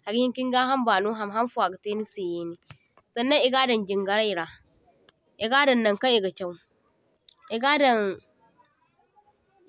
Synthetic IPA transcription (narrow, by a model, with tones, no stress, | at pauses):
ha˨ɡhɪ˦kʲɪ˦ŋɡaː˦ɦa˦mbaː˨nuː˦ɦa˨mɦa˦mfu˨a˨ɡa˨teː˦ni˦seː˨jeː˦niː˨ | sɐ˨nːɐ˦ŋʔɪ˦ɡaː˦dɐ˨nd͡ʒɪ˨ŋɡɐ˨˦ɽa˦jɾaː˨ | ʔɪ˨ɡaː˦dɐ˨nːɐ˦ŋka˦ji˨ɡa˨t͡ʃʲa˦˨w | ʔɪ˨ɡa˦dɐ˨ŋ